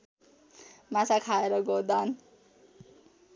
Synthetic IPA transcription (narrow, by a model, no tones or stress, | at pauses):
mat͡sakʰaeɾʌɡod̪an